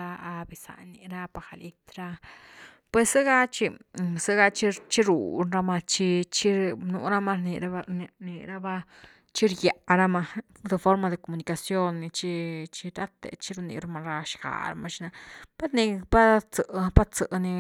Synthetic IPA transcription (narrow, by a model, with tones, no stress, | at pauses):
a˧a˧bi˧sa̰˨ni˨˧ɾa˦pa˧xa˨li˧t̪ɾa˧ | pwe˧sɨ˦ɡa˦t͡ʃi˧sɨ˦ɡa˧t͡ʃi˦t͡ʃi˦ɾṵ˨nɾa˧ma˧t͡ʃi˧t͡ʃi˦nṵ˧ɾa˦ma˧ɾni˨ɾa˧nḭ˧˨˧ɾa˦ba˦ | t͡ʃi˦ɾja˨ʔɾa˦ma˧d̪e˧fo˦ɾma˧d̪e˨ko˨mu˨ni˨ka˨sjo˦nːi˧t͡ʃi˦t͡ʃi˧ɾa˦t̪ḛ˨t͡ʃi˦ɾu˧nḭ˧ɾa˧ma˧ɾa˧ʃɡa̰˨ɾa̰ma˧ʃi˧na˧pa˦ɾni˧pa˦t͡sə˧ʔpa˦t͡sə˧ʔni˧